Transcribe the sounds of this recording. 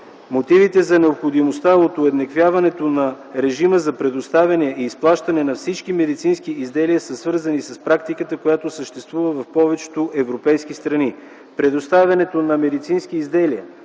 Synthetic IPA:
mot̪ivit̪ɛzɐnɛopxod̪imost̪aot̪oɛd̪nɛkvʲjavɐnɛt̪onɐ | ɾɛʒiməzɐpɾɛd̪ost̪avʲɐniəiːsplˠaʃt̪ɐnɛnɐfsit͡ʃkimɛd̪it̪sinskiizd̪ɛliəsəsvɤɾzɐnisɐspɾakt̪ikət̪əkojat̪osəʃt̪ɛst̪vuvəvɐfpɔvɛt͡ʃɛ̥t̪oʔɛvɾopɛjskist̪ɾɐni | pɾɛd̪ost̪avʲɐnɛt̪onɐmɛd̪it̪sinskiːzd̪ɛliə

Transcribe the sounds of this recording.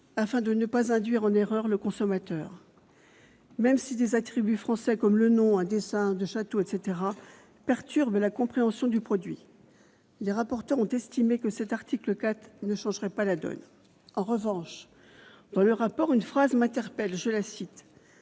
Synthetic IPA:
afɛ̃d̪ənəpazɛ̃d̪ɥiʁɑ̃neʁœʁləkɔ̃sɔmat̪œːʁ | mɛmsid̪ezat̪χibyfχɑ̃sɛkɔmlənɔ̃ɛ̃d̪esɛ̃d̪əʃat̪oɛt̪set̪eʁa | pɛʁt̪yʁblakɔ̃pχeɑ̃sjɔ̃d̪ypχɔd̪ɥḭ | leʁapɔʁt̪œʁɔ̃t̪ɛst̪imekəsɛt̪aʁt̪ikləkat̪χnəʃɑ̃ʒʁɛpalad̪ɔ̰n | ɑ̃ʁəvɑ̃ʃ | d̪̥ɑ̃ləʁapɔʁynfχazmɛ̃t̪ɛʁpɛlʒələsit̪

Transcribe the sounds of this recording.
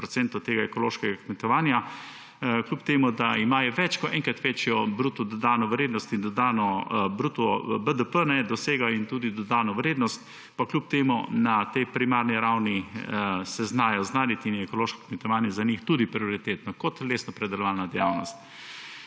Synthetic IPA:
ɾɔsɛnt̪ɔt̪eːɡaɛkɔloːʃkɛɡakmɛt̪ɔʋaːnja | klʲjupt̪eːmud̪aimaːjɔʋɛt͡ʃkɔʔɛ̃ŋkɾat̪ʋet͡ʃjɔbɾuːt̪ɔd̪ɔd̪aːnɔʋɾeːd̪nɔst̪ind̪ɔd̪aːnɔbɾuːt̪ɔbəd̪əpənɛd̪ɔseːɡaint̪uːd̪id̪ɔd̪aːnɔʋɾeːd̪nɔst̪ | paklʲjup̚t̪eːmunat̪ɛjpɾimaːɾniɾawni | sɛznaːjɔznaːd̪it̪injɛɛkɔloːʃkɔ̥kmɛt̪ɔʋaːnjɛzanixt̪uːd̪ipɾioɾit̪eːt̪nɔkɔt̪leːsnɔpɾɛd̪ɛlɔʋaːlnad̪ɛjawnɔst̪̚

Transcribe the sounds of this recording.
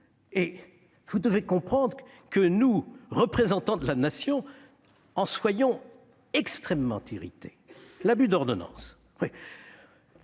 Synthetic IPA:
e | vud̪əvekɔ̃pχɑ̃d̪ʁ | kənuʁəpχezɑ̃t̪ɑ̃d̪əlanasjɔ̃ | ɑ̃swajɔ̃ | ɛkst̪χɛmːɑ̰̃t̪iʁḭt̪e̥ | labyd̪ɔʁd̪ɔnɑ̰̃s | wi

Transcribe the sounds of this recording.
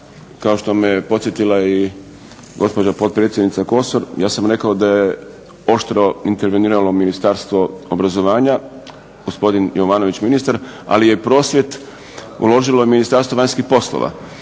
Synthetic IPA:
kao̞ʃt̪o̞mejepo̞t̪sjet̪ilai | ɡo̞spo̞d͡ʑapo̞t̪̚pɾet̪sʲjed̪nit̪sako̞soɾjaːsamɾe̞kaod̪aje | o̞ʃt̪ɾo̞int̪eɾʋeniːɾalo̞minist̪aːɾst̪ʋo̞obɾazo̞ʋaːɲa | ɡ̥ospo̞d̪injo̞ʋaːno̞ʋit͡ɕminist̪aɾa̰lije̞pɾo̞ːsʋje̞t̪ | ṵlo̞ʒilo̞jeminist̪aːɾst̪oʋaɲskixpo̞slo̰ʋa̰

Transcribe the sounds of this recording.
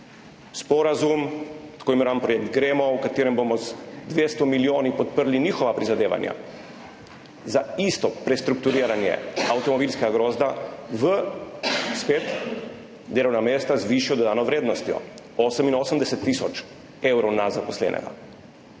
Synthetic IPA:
spɔɾazumt̪koːjimɛɾoːʋanpɾɔjek̚t̪ɡɾeːmɔwkat̪eːɾɛmbomɔzd̪ʋeːst̪ɔmilioːnipɔt̪̚pəɾliniːxɔʋapɾizad̪eːʋa̰nja̰ | zaist̪ɔpɾɛst̪ɾuk̚t̪uɾiːɾanjɛ̰awt̪ɔmɔbiːlskɛɡaɡɾoːzd̪aʋə | speːt̪ | d̪eːlɔwnameːst̪azʋiʃijɔd̪ɔd̪aːnɔʋɾeːd̪nɔst̪jɔ̰oːsəminoːsəmd̪ɛsɛt̪ːisɔt͡ʃ | ewɾɔwnazapɔslɛ̰ːnʔɛ̰ɡa̰

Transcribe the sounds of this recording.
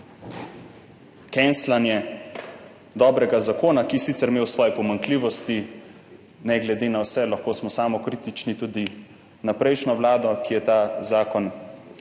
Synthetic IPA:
kɛnslanjɛ | d̪ɔːbɾɛɡazakoːnakiɛsit̪sɛɾmeːwsʋɔːjɛpɔmaŋkliːʋɔst̪i | nɛɡlɛd̪eːnawsɛlaxkoːsmɔsaːmɔkɾit̪it͡ʃnit̪ud̪i | napɾɛjʃnɔwlaːd̪ɔkijɛt̪aːzaːkɔn

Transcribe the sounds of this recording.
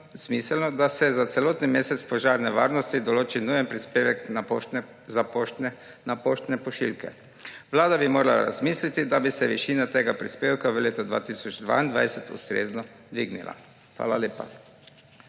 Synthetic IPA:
z̥miːsəlnɔd̪asɛzat̪sɛloːt̪nimeːsɛt̪spɔʒaːɾnɛʋa̰ːɾnɔst̪id̪ɔloːt͡ʃinujɛnpɾieʋɛkna | zap | napoʃt̪nɛpɔʃḭlkɛ̰ | ʋlaːd̪abimoːɾala̰ɾa̰zmiːslit̪id̪abisɛʋiʃiːnat̪eːɡapɾispeːwkaʋəleːt̪ɔd̪ʋa̰ːt̪isɔd͡ʒd̪ʋa̰ːind̪ʋa̰jsɛt̪ṵst̪ɾḛːznɔ | d̪ʋiɡnḭla̰ | xʋa̰ːlaleːpa̰

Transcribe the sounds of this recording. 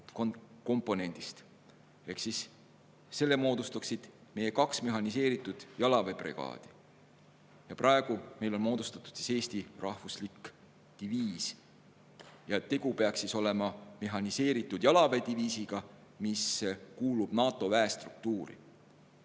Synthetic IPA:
koko̞mpːˑo̞ne̞nʲd̪̥ist̪ | e̞hksisː | e̞lːe̞mo̞ːd̪ust̪uksid̪̥me̞je̞kɑksme̞ɦɑnis̬e̞ːɾit̪ːˑud̪̥jɑlɑve̞prḛɡɑ̰ːd̪̥i̥ | jɑprʔɑeɡ̥ume̞jlo̞nmo̞ːd̪̥ust̪ɑ̥t̪ːˑu̥d̪̥si̥se̞ːst̪irɑhvuslikː | t̪iviːs | jɑt̪e̞ɡ̥upe̞ɑksːiso̞le̞mɑme̞ɦɑnise̞ːɾit̪ːˑud̪̥jɑlɑve̞d̪iviːsiɡ̥ɑ | miskuːlub̥nɑːt̪ːˑo̞væest̪ruk̚t̪uːɾḭ

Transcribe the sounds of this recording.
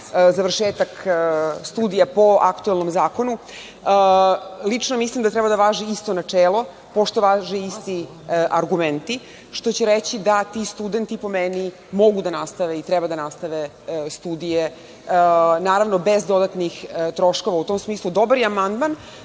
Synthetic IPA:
zaʋrʃeːt̪akst̪uːd̪ijapo̞a̰kt̪uelˠno̞mzaːkonu | lit͡ʂnomislˠimd̪at̪ɾɛbad̪aʋaːʒɛist̪o̞nat͡ʂeːlˠo̞ | po̞ʃt̪o̞ʋaːʒɛist̪i | ʔaɾɡument̪i | ʃt̪o̞t͡ɕeɾet͡ɕid̪at̪ist̪ud̪ent̪ipo̞meni | mo̞ɡud̪anast̪aʋeit̪ɾɛbad̪anast̪aʋe | st̪uːd̪ije | naːɾaʋnobezd̪o̞d̪at̪nixt̪ɾo̞ʃko̞ʋaut̪oːmsmiːslˠud̪o̞baɾjɛamand̪man

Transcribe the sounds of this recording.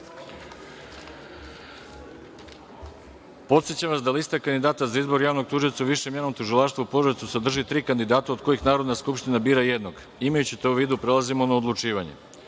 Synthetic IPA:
po̞t̪set͡ɕamʋasd̪alist̪akand̪id̪aːt̪azaizbo̞ɾjaːʋno̞ɡt̪uːʒiot̪sauʋiʃemjeno̞mt̪uʒilˠaʃt̪voupoʒet̪sused̪r̩ʒit̪ɾiːkand̪id̪aːt̪aod̪ko̞jixnaːɾod̪naskupʃt̪inabiːɾaje̞d̪no̞ɡ | imajut͡ɕit̪euʋiːd̪upɾe̞lˠazimo̞naod̪lˠut͡ʃiːʋaɲḛ

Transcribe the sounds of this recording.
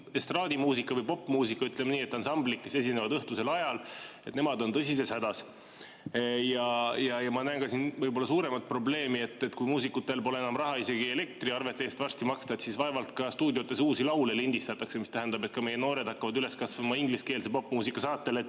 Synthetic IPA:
est̪rɑːd̪imuːsikːˑɑvɤjpo̞pːˑmuːsikːˑɑyt̪ːˑle̞mniːe̞t̪ːˑɑnsɑmblikːe̞se̞s̬inevɑd̪ɤht̪use̞lɑjɑle̞t̪ne̞mɑd̪o̞nt̪ɤsise̞shæd̪ɑs | jɑjɑjɑmɑnæenkɑsinvɤjbo̞lːɑsuːɾe̞mɑt̪̚pro̞ble̞ːmie̞t̪ːˑet̪kujmuːsikːut̪ːˑe̞lpo̞le̞enɑmrɑɦɑise̞ɡie̞le̞k̚t̪riɑrve̞t̪ːˑeːst̪vɑrsʲt̪imɑkst̪ɑt̪sisvɑe̞vɑlt̪kɑst̪uːd̪ʲio̞t̪ːˑesuːsilɑwlelinʲd̪̥ist̪ɑt̪ːˑɑkse̞mist̪æɦænd̪ɑbe̞t̪̚kɑme̞jeno̞ːɾe̞d̪̥hɑkːɑvɑd̪yle̞skɑsvɑmɑiŋɡliske̞ːlsepo̞pːˑmuːsikˑːɑsɑːt̪ːelet̪ː

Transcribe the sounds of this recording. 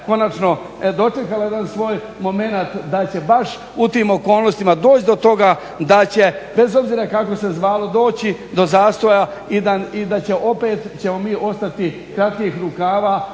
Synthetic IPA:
ko̞nat͡ʃno̞ | d̪o̞t͡ʃe̞kalajed̪ansʋo̞ːj | mo̞me̞nat̪d̪at͡ɕe̞baʃ | ut̪iːmo̞ko̞ːlˠno̞st̪imad̪o̞ːt͡ɕd̪o̞t̪o̞ɡa | d̪at͡ɕe̞be̞zo̞bziːɾakako̞se̞zʋaːlo̞d̪o̞ːt͡ɕid̪o̞zaːst̪o̞jaid̪aid̪at͡ɕe̞ʔo̞pe̞ːt̪t͡ɕe̞mo̞miːʔo̞st̪at̪i | kɾat̪kixɾukaːʋaː

